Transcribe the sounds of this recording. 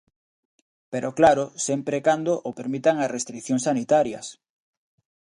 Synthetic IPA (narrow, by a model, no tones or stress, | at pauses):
peɾoklaɾʊsempɾekand̪oʔopeɾmit̪aŋasrest̪ɾikθjoŋsanit̪aɾjɐ̰s